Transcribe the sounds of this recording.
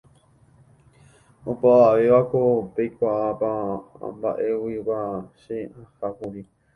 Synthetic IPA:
opaʋaʋe̞ʋakopejkʷaʔapa̰mba̰ʔe̞wiʋaʃeãhakuɾi

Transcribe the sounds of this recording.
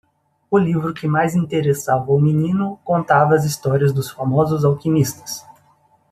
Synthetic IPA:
ʊlivɾʊkɪmajzĩnt̪eɾesavɐʊminĩnʊkõnt̪avɐɐzist̪ɔɾiɐzd̪ʊsfamɔzʊzawkimist̪ɐ̥s

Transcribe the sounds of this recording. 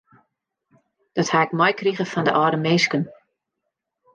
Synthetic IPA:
d̥ɔthaɪkmɔjkriɣəfɔndə̰ʔɔːɾəmeskən

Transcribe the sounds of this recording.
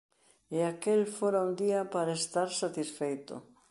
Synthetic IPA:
eakelfoɾaund̪iɐpaɾaest̪aɾsat̪isfejt̪ʊ̰

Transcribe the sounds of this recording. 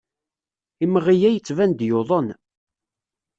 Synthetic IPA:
iməʁijæjət͡sːvænd̪joðˤən

